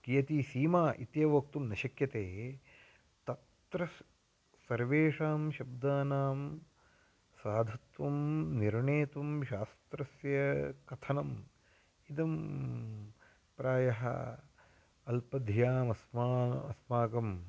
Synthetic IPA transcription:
kijɐt̪iːsiːmaːʔit̪jɐʋɐk̚t̪umnɐʃɐkjɐt̪eː | t̪ɐt̪ɾɐ | sɐɾʋeːʂaːmʃɐb̚d̪aːnaːm | saːd̪ʱɐt̪ʋɐmniɾɳeːt̪ʋɐmʃaːst̪ɾɐsjɐkɐt̪ʰɐnɐm | id̪ɐm | pɾaːjɐɦɐ̰ | ɐlpɐd̪ʱjaːmɐsmaːɐsmaːkɐm

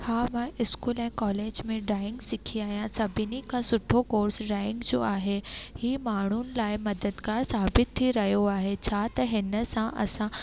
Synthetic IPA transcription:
haːmãʔɪskuːlɛ̃ːkɔːleːd͡ʑmẽɖaːɪ̃ŋɡsɪkʰiaːɦijãsɐbʱɪnikʰãsʊʈʰːokoːɾsɖaːɪ̃ŋɡd͡ʑoːaːɦehiːmaːɳ̤unɪ̆laːɪmɐd̪əd̪kaːɾsaːbɪt̪ʰːiɾɐɦijoaːɦet͡ɕʰaːt̪ɐɦɪnəsãʔɐ̰sã

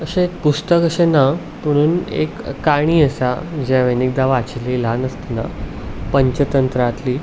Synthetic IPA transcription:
əɕẽek̚pust̪əkəɕena | m̤əɽ̃uːnḛkːaɽ̃iːəsad͡ʑaʋenik̚d̪aʋat͡ɕililanəst̪əna̰ | pəɲt͡ɕət̪ənt̪ɾat̪liː

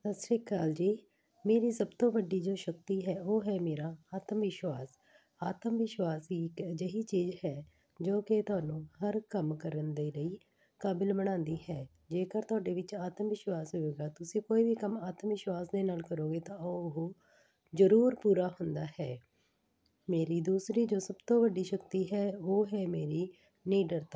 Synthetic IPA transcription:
səsɾeːkːaːld͡ʒiː | meːɾiːsəbt̪õːbəɖiːd͡ʒoːʃək̚t̪iːɦɛːoːɦɛːmeːɾaːaːt̪əmʋɪʃwaːs | aːt̪əmʋɪʃwaːsiːkəd͡ʒəɦiːt͡ʃiːzɦɛː | d͡ʒoːkɪt̪ʊaːnũːhəɾkəmkəɾənd̪eːləiː | kaːbɪlbəɽ̃ãːnd̪iːɦɛː | d͡ʒeːkəɾt̪ʊaːɖeːʋɪt͡ʃaːt̪əmʋɪʃwaːsɦoeːɡaːt̪ʊsĩːkoːiːʋiːkəmaːt̪əmʋɪʃwaːsd̪eːnaːlkəɾoːɡeːt̪ãːoɦoː | d͡ʒəɾuːɾpuːɾaːɦʊnd̪aːɦɛː | meːɾiːd̪uːsɾiːd͡ʒoːsəbt̪õːʋəɖiːʃəkt̪iːɦɛːoːɦɛːmeːɾiː | niːɖəɾt̪aː

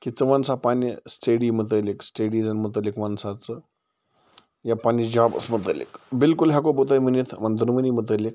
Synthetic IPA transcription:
kit͡səʋansapanjəsʈeɽimət̪̬əleksʈeɽid͡zənmət̪̬əlekʋansat͡sə | japanid͡ʑabə̰smət̪ə̰lḛkbilkulɦak̬obot̪ajm̤ənit̪ʰmand̪unməniːmət̪̬əlek̚

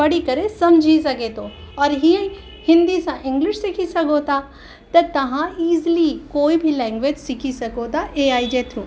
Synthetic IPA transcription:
bɐɽikɐɾesɐmd͡ʒʱisɐket̪ʰo | ɔːɾɦiə̃ĩ | hɪ̃nd̪isãʔɪ̃ŋɡlɪʃsɪkʰisɐɡot̪a | t̪ɐt̪ɐʋ̤ãiːzlikoːibʱilɛ̃ːŋɡʋeːd͡ʒsɪkʰisɐkot̪aʔeːaːid͡ʒeːt̪ʰjũː

